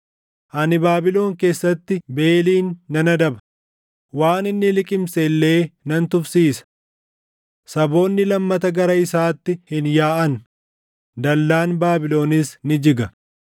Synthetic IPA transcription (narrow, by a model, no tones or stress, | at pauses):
ʔɐnɪbaːbɪlo̞ːŋke̞ːsːɐt̪ːɪbe̞ːliːnːɐnɐd̪ɐbɐ̥ | waːnɪnːɪlɪkʼɪmselːe̞ːnɐnt̪ʊfsiːsɐ̥ | sɐbo̞ːnːɪlɐmːɐt̪ɐɡɐɾɐɪsaːt̪ːɪhɪnjaːʔɐn | d̪ɐlːaːnbaːbɪlo̞ːnɪsnɪd͡ʒɪɡɐ